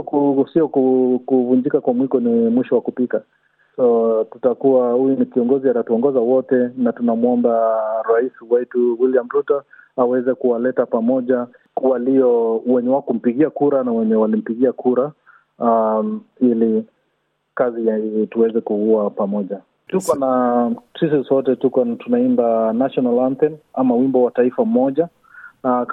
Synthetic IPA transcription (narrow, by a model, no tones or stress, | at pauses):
usiɔkukuvund͡ʒikakwamwikɔnimwiʃɔwakupika | sɔtu̥takuahujunikiɔŋɡɔziatatuɔŋɡɔzawɔtɛnatunamuɔmbaɾaisiwaituwiliamɾutaawɛzɛkuwalɛtapamɔʄa | waliɔwɛɲɛwakum̩piɠiakuɾanawɛɲɛwalim̩piɠiakuɾa | ili | kazijatuwɛzɛkuuapamɔʄa | tukɔnasis̬isɔtɛtukɔtunaindanaʃɔnalant̪ɛnamawimbɔwataifam̩mɔʄa